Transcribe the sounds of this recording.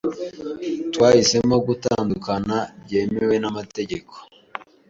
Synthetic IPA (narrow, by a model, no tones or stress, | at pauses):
twaːhise̞mo̞ɡutaːndukanabɟe̞ːmewe̞namate̞ɟe̞ko̥